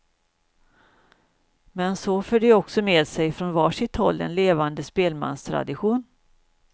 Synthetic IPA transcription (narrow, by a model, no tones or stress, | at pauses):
mɛnsɔføːɖɛɔksɔmeːd̪sɛjfɾɔnvɑːʂɪt̪ʰhɔlːd̪ɛ̰nleːvand̪əspeːlma̰nst̪ʰɾa̰d̪ɪɧuːn